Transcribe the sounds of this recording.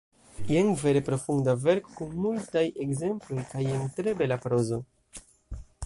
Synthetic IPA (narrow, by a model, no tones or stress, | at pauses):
jeŋve̞ɾe̞pɾo̞fundave̞ɾko̥kunmultaje̞ɡze̞mplo̞jkajeŋtɾe̞be̞lapɾo̞zo̞